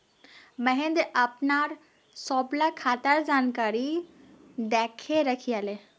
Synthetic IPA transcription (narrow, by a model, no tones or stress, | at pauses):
məɦẽnd̪ʔɐpnaːɾ | sɔːblakʰaːt̪əɾd͡ʑaːnkaːɾi | d̪ɛːkʰeɾəkʰiale